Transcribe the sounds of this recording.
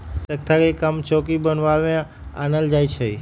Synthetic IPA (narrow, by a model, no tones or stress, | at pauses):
tək̚t̪ʰakekəmt͡ʃɔkibənʋaʋẽ | a̰nəld͡ʒajt͡ʃʰe